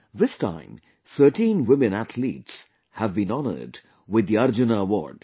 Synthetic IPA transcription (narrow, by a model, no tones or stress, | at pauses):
ðɪstʰã̰ɪ̃m | θɜ˞ʈĩnwɪmɨ̃næt̪ʰlḭts | hævbĩnɑnə̰˞d | wɪd̪ːiʌɾd͡ʒɨnəəwɔ̰ɹd̥